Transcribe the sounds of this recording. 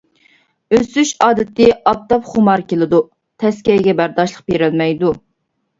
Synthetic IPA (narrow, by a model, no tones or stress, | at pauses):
øsyʃɑːd̪ɪt̪ɪɑp̚t̪ɑpχʊmɑɾkʲelɪd̪u | t̪ʰɛskʲɛɡʲɛbæɾd̪ɑʃlˠəq̚beɾɪlmɛjd̪u